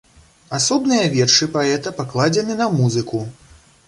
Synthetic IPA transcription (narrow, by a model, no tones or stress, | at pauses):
asɔbnɨjɐvʲɛrʂɨpaɛt̪ɐpaklˠad͡zʲɛnɨnɐmuzɨku